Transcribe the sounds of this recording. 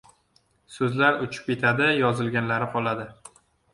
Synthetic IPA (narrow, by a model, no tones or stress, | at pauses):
sɵzlaɾʊt͡ʃʰʊ̥p̚ʲe̞t̪ʰad̪ɪjɒzɪlɡʲanlaɾɪqʰɒlˠad̪ɪ